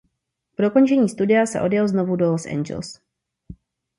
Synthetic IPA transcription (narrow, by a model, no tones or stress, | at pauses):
pdo̞ko̞nt͡ʃɛɲiːst̪udɪasɛ̰ʔo̞djɛlzno̞vudolosʔɛ̰nd͡ʒɛ̰ls